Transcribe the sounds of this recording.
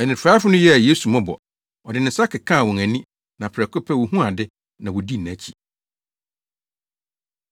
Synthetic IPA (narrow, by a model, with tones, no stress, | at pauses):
ɛ˨nɪ̃˨fa˦fʊ˦nʊ̃˦jɛ˦a˨jeː˦su˨mɔ̃˦bɔ̰˨ | ɔ˨dɪ˨nɪ̃˨˦sa˦kʰɪ˨kʰã˦˨wɔ̃˨ŋæ̃˨nĩ˦ | nã˨pʰɾɛ˨kʰʊ˦pʰɛ˦wɔ˨ɦũ˦a˨dɪ˦ | nã˨wɔ˨di˦næ̃˨˦t͡ɕʰi˨